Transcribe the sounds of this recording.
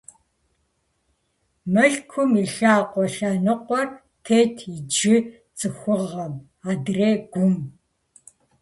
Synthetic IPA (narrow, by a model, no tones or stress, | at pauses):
mɐɬkʷʰʊmiɬaːqʷʼɔɬaːnɨqʷʼɔr | tʰeːtʰid͡ʒɪ | t͡sʼɨxʷʊʁɐm | aːdreːɡ̥ʷʊm